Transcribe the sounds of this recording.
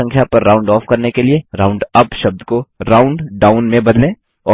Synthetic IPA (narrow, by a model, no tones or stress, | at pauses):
ɐ̃ŋkʰjapɐɾːaːʊ̃ɳɖɔːfkɐɾnekelieɾaːʊ̃ɳɖɐpʃɐb̚d̪koɾaːʊ̃ɳɖɖaːʊnmẽbɐd̪lẽː | ɔː